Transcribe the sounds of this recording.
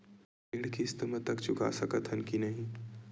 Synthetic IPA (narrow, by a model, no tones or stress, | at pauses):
pɪɽkist̪əmət̪ːəkt͡ʃʊka̰səkət̪ʰɦənkinɐɦĩ